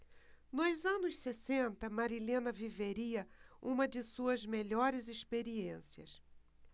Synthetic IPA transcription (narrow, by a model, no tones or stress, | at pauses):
nʊzɐ̃nʊssesẽnt̪ɐmaɾilẽnɐviveɾiɐũmɐd͡ʒɪsuɐzmeʎɔɾɪzespeɾiẽsiɐ̰s